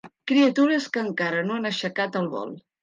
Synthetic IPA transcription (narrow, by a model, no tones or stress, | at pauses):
kɾiət̪uɾəskəːŋkaɾənoanəʃəkat̪əlˠβɔ̰lˠ